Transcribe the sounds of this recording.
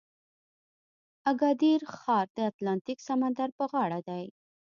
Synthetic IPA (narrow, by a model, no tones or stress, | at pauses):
aɡɑd̪iɾxɑɾd̪əat̪lɑnt̪iksamand̪aɾpəɣɑɽad̪aj